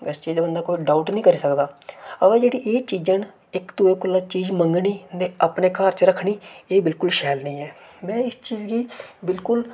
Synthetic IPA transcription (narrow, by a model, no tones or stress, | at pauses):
ɪst͡ʃiːd͡ʒeːbənd̪aːkoːiːɖaːʊʈnĩːkəɾiːsəkd̪aːəʋeːd͡ʒeːɽiːʔeːt͡ʃiːd͡ʒən | ɪkd̪ueːkʊlːaːt͡ʃiːd͡ʒməŋɡɳiːneːəpneːkaːɾt͡ʃɾəkʰɳiːeːbɪlkʊlʃɛːlnəĩːɛːmɛ̃ːɪst͡ʃiːd͡ʒɡiːbɪlkʊl